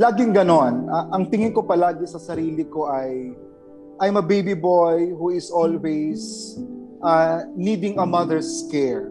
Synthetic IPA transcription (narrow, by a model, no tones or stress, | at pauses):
laːɡɪŋɡɐno̞nʔɐʔɐŋt̪ɪŋɪnkopɐlaːɡɪsɐsɐɾiːlɪko̞ʔɐj | ʔɐjmɐbejbibojhuɪsolwɛjs | ʔɐniːd̪ɪŋɐmɐðɛɹskɛɹ